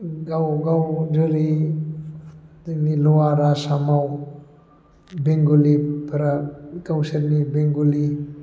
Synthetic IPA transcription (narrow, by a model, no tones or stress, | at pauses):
ɡawɡawd͡ʒəɾi | d̪inilɔwaɾasamaw | beŋɡulipaɾaɡawseɾnibeŋɡuli